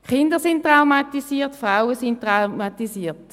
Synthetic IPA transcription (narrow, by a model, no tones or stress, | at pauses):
χɪndəʁsɪnttʁawmatisiːɐtfʁaʊəsɪnttʁaʊmatisiːt